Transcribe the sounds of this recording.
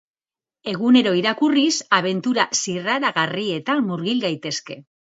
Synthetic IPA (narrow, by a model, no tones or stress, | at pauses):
e̞ɣune̞ɾo̞iɾakurisaβ̞e̞nt̪uɾasiraɾaɣarie̞t̪amuɾɣilɡajt̪e̞ske̞